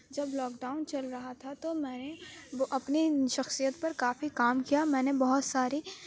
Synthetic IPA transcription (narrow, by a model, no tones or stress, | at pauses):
d͡ʒɐblɔːkɖaːʊnt͡ʃɐlɾɐɦat̪ʰat̪omɛ̃ːneʔɐpniʃɐxsijət̪̚pɐɾkaːfikaːmkijamɛ̃ːnebɐɦʊt̪saːɾi